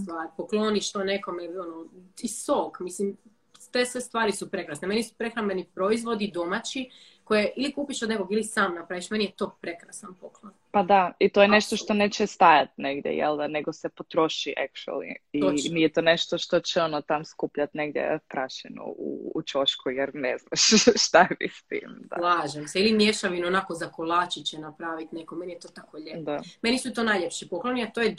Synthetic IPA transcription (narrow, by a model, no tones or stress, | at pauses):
st̪ʋaːɾpoklˠoniʃt̪onekomeonoisoːɡmislim | t̪esʋest̪ʋaːɾisupɾekɾasneme̞nisu̥pɾexɾambenipɾoizʋo̞d̪id̪o̞mat͡ɕi | kojeʔilikuːpiʃod̪nekoɡilisaːmnapɾaʋiʃmenijet̪oːpɾe̞kɾasanpoklˠon | pad̪ait̪ojeneʃt̪oʃt̪onet͡ɕɛst̪ajat̪neɡd̪jḛjɛ̰lˠd̪aneɡosepot̪ɾoʃiʔakt͡ʃuḛlḭimijɛt̪oːneʃt̪oʃt̪o̞t͡ɕɛonot̪amskupʎat̪neɡd̪jḛpɾaʃɛnṵṵːt͡ʃoʃkujɛɾneznaʃʃt̪amist̪ḭːmd̪a̰laːʒemseilimjeʃaʋinonakozakolˠaːt͡ɕit͡ɕenapɾaʋit̪nekomenijet̪oːt̪akoʎed̪amenisut̪oːnajʎepʃipokloniat̪oːje